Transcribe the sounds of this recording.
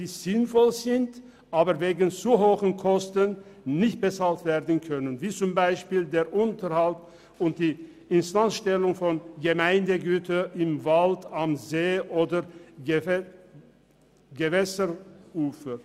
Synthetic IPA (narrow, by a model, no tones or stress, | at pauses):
d̥iːz̥ɪnfɔlzɪnt | ʔaːbəveːɡən̩t͡suɦoːçənkʰɔstənnɪçt̚b̥ət͡saːltv̥eːʁdən̩kʰœnənviːt͡sʊmbaɪʃpiːldeːɐʔʊntəʁhalt | ʊnt̚d̥iː | ɪnstansʃtɛlʊŋfɔnɡəmaɪndəɡyːtʰəʔɪmvaltamzeːʔoːdə | ɡəvɛsəuːfə